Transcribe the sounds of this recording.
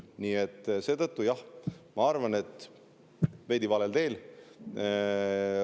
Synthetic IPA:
niːe̞t̪ːˑse̞ːt̪ɤt̪ːujɑhmɑɑrvɑne̞t̪ːˑ | ve̞jd̪ivɑlelt̪e̞ːl

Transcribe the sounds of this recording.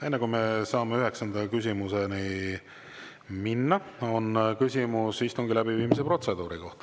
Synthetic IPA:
e̞nːekumesɑːmeyɦe̞ksɑnd̪̥ɑkys̬ʲimuseni | minːɑo̞nkysʲimusːist̪uŋɡilæbiviːmis̬epro̞t̪se̞d̪̥uːɾiko̞ht̪ɑ

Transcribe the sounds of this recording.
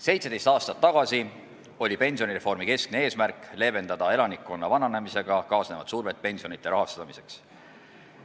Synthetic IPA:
se̞jt̪sed̪̥e̞jst̪ɑːst̪ɑt̪ːɑɡ̥ɑsi | o̞lʲipe̞nʲsio̞nʲiɾe̞fo̞rmike̞skne̞e̞ːsmærkˑle̞ve̞nd̪ɑd̪̥ɑe̞lɑnikːˑo̞nːɑvɑnɑne̞mise̞ɡ̥ɑkɑːsne̞vɑd̪̥suːrɾve̞t̪̚pe̞nʲsio̞nit̪ˑːe̞ɾɑɦɑst̪ɑmise̞̥ks

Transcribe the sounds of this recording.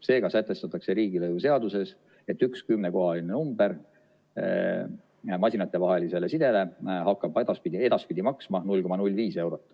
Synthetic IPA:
se̞ːɡ̥ɑsæt̪ːˑe̞st̪ɑt̪ːˑɑkse̞ɾiːɡilɤjuse̞ɑd̪use̞s | e̞t̪ːˑykskymneko̞ɦɑline̞numb̥e̞ɾ | mɑsʲinɑt̪ːˑe̞vɑɦe̞lise̞le̞sid̪̥e̞le̞hɑkˑːɑbed̪̥ɑspid̪ʲe̞d̪̥ɑspid̪̥imɑksmɑnulʲko̞mːɑnulʲːviːse̞wɾo̞t̪ːˑ

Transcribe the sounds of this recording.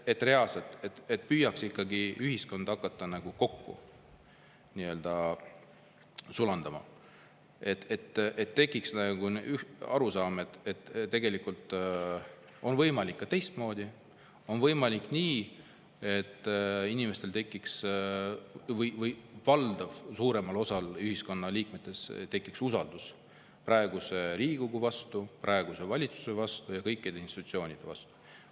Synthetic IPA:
e̞t̪ːˑre̞ɑlset̪ˑet̪et̪̚pyːjɑksikːɑɡiyɦhisko̞nd̪̥ɑkːˑɑt̪ːɑnɑɡ̥uko̞kːṵ | niø̞ld̪̥ɑ | sulɑnd̪̥ɑmɑ̰ | e̞t̪et̪ːʔet̪ːe̞kˑːiksnæɡ̥unyɑ̰ɾusɑːmet̪et̪ːt̪ːe̞ɡ̥e̞likːˑult̪ˑ | o̞nvɤjmɑlikːɑt̪e̞jst̪mo̞ːd̪̥ʲi | o̞nvɤjmɑlikniː | e̞t̪ːˑinime̞st̪e̞lt̪e̞kːˑiks | vɤjvɤjːɑld̪ɑvsuːɾe̞mɑlo̞sɑlyɦisko̞nːɑliːk̚me̞t̪ːˑe̞st̪e̞kːˑiksusɑld̪̥us | pɾɑeɡ̥useɾiːɡ̥uɡ̥uvɑst̪uprʔɑeɡ̥use̞vɑlʲit̪su̥se̞vɑst̪ujɑkɤjkːˑid̪einst̪it̪ːut̪sio̞ːnʲid̪̥e̞vɑ̰st̪u̥

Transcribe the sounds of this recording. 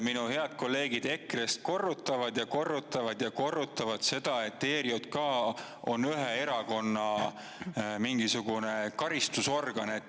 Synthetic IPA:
minuhe̞ɑd̪̥̚ko̞lːe̞ːɡ̥id̪̥e̞krest̪̚ko̞rːut̪ːˑɑvɑd̪̥jɑko̞rːut̪ːˑɑvɑd̪̥jɑko̞rːut̪ˑːɑvɑd̪̥se̞d̪̥ɑe̞t̪ːe̞ːɾiod̪̥kɑː | o̞̰nyɦee̞ɾɑko̞nːɑ | miŋɡ̥isuɡ̥unekɑɾist̪uso̞rɡ̥ɑnet̪ː

